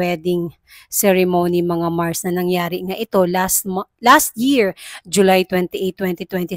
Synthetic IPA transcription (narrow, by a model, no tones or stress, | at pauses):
ɛːd̪ɪŋ | sɛɹɛmonimɐŋamaɹsnɐnɐŋjaːɾɪŋaʔɪt̪o̞lasmlast̪̚jiɹd͡ʒʊlajt̪wɛnt̪iʔejt̪ːwɛnt̪it̪wɛnt̪i